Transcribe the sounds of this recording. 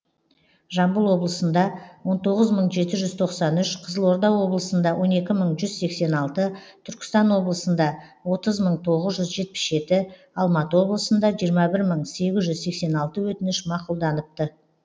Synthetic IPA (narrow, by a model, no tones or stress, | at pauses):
ʒɑmbəlˠwo̞blˠəsənd̪ɑwo̞nt̪ʰo̞ʁəzməɴʒe̞t̪ɪʒʏz̥t̪ʰo̞qsɑnʏʃqʰəzəlˠwo̞ɾd̪ɑwwo̞blˠəsənd̪ɑwʔo̞ne̞kʲɪməɴʒʏzse̞kse̞nɑlˠt̪ət̪ʰʏɾkʲɪ̥st̪ɑnwo̞blˠəsənd̪ɑ | wo̞t̪əzməɴt̪ʰo̞ʁəzʒʏzʒe̞t̪̚pɪ̥ʃʒe̞t̪ɪ | ɑlˠmɑt̪əwo̞blˠəsənd̪ɑʒijəɾmɑbɪɾməɴse̞ɡʲɪzʒʏzse̞kse̞nɑlˠt̪əwɵt̪ɪnɪʃmɑqulˠd̪ɑnəp̚t̪ə